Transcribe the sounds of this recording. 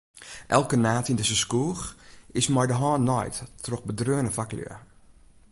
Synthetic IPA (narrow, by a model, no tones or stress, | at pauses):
ʔɛ̰lˠkənaːtindəsəskuːxɪsmɔjdəɦɔːnːɔjtːrɔxbədrøːənəfaklø̰ə